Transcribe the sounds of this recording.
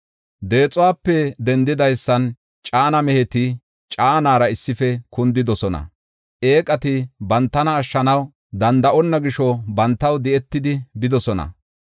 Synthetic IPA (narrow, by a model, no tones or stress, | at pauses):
d̪e̞ːt͡sʼʊwaːpːɛd̪ɛnd̪ɪd̪ɐjsːɐn | t͡ʃʼaːnɐmɛhɛt̪ɪ | t͡ʃʼaːnaːɾɐɪsːɪfɛkʊnd̪ɪd̪ɔsɔnɐ̰ | ʔe̞ːkʼɐt̪ɪbɐnt̪ːɐnɐːʃːɐnɐw | d̪ɐnd̪ɐʔɔnːɐɡɪʃɔbɐnt̪ːɐwd̪ɛɛt̪ːɪd̪ɪbɪd̪ɔsɔnɐ̰